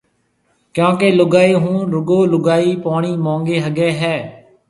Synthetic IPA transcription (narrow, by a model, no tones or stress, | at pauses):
kjõːkeːlʊɡaːeːɦũːɾʊɡoːlʊɡaːiːpaːɳ̃iːmãːŋɡeːɦəɡeːɦɛː